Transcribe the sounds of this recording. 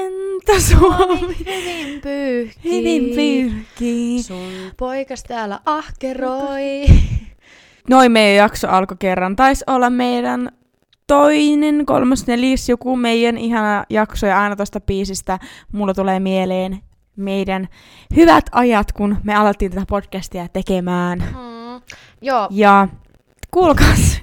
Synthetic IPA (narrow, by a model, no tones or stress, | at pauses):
ent̪æsuomihʋimpyːhhyʋimpyːhkiːsulpoikɑst̪æːlːæ̰ʔɑhkeroi | noimmeijæjɑksoʔɑlkokerːɑnt̪ɑisolːɑmmeidæn | t̪oinenko̰lmɑsneljæsjokumeijːænʔiɦɑnɑjɑksojɑɑinɑt̪ost̪ɑbiːsist̪æmulːɑt̪uleːmieleːn | meidæn | hyʋæt̪ʰɑjɑt̪kunmeɑlɑt̪ːiːnt̪æt̪æpodkæst̪iæt̪ekemæːn | joːjɑ | kulkɑs